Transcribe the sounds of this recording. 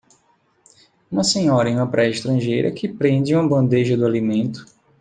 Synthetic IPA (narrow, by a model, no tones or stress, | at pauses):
ũmɐsẽɲɔɾɐẽũmɐpɾʔɛɪʃt̪ɾɐ̃ʒejɾɐ̰kʰɪpɾẽnd͡ʒɪũmɐbɐ̃nd̪eʒɐd̪ʊalimẽnt̪ʊ̥